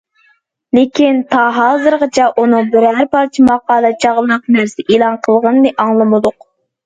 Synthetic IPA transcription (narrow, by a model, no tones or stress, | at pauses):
lɪkʲint̪ʰɑɦɑlˠzɨɾʁət͡ʃʰɛʔunɨŋbɪɾæɾpɑɾt͡ʃʰimɑqɑːd̪ɨt͡ʃʰɑʁlˠɨnəqnæɾsɪʔelˠɑnqʰəlˠʁənɨnɨʔɑŋlˠɨmɨd̪ʊq